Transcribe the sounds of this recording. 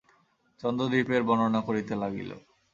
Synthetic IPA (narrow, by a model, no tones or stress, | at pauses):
t͡ɕɔnd̪od̪ipeɾbɔnonakoɾit̪elaɡḭlo̰